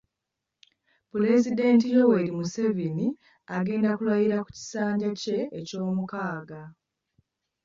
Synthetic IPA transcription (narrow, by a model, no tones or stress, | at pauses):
pule̞zide̞ntijo̞weɾimuse̞vini | aɡe̞ːndakulwajiɾaku̥ci̥saːɲɟace̞ːco̞ːmukaːɡa